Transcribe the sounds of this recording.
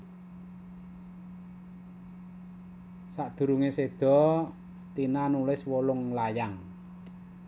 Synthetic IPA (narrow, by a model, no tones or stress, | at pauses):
saʔd̪̥ṳɾuŋesed̪̥ɔ̤ | t̪inanulɪswɔlʊŋlajaŋ